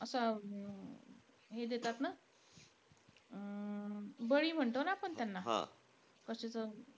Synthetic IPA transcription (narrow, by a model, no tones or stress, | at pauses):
əsa | ɦed̪et̪at̪na | bəɭiːm̤əɳt̪onaːpəɳt̪janːaɦã̰ | kəɕet͡sə